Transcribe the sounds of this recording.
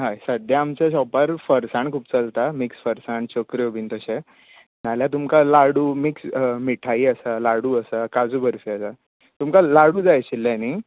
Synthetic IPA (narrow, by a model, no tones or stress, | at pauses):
ɦajsəd̪jaːmt͡ɕaɕɔpaɾfəɾsãɳkʰuːpt͡səlt̪amiksfəɾsaɳt͡ɕokɾiobʱint̪əɕẽ | naljat̪̬umkalaɽuːmiksmiʈʰaiəsalaɽuːəsakad͡zuːbʱəɾfiəsa | t̪umkalaɽuːd͡zajɕilːani